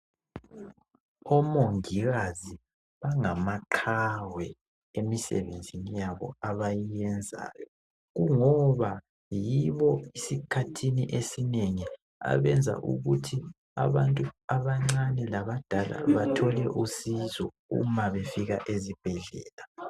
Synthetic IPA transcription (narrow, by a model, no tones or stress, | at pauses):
ɔmoŋiɣazi | βaŋamaǃʰawɛ | emisɛ̰βend͡zʱinijaβɔ̰aβajijɛnd͡zʱa̰ːjɔ | ɣuŋɔβa | jiβɔisikʰatʰiniʔesineŋi | a̰βɛnd͡zʱa̰ʔṵɣutʰi | a̰βantʼuaβaŋ͡ǀanɛlaβad̥ʱala̰βatʰɔlɛʔusizɔ | ṵmaβefiɣa̰ʔezib̥ʱɛɮɛ̰ːla